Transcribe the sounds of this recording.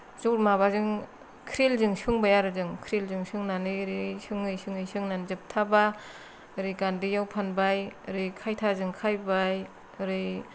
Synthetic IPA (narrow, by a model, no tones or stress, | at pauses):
zuɾmaβazɯŋ | kʰɾilzɯŋsɯŋbajaɾɯzɯŋkʰɾilzɯŋsɯŋnaniɾisɯŋɯjsɯŋɯjsɯŋnanzɯp̚tʰaba | ɾɯɡandijawpʰanbajɾɯjkʰajtʰazɯŋkʰajbaj | ɾɯj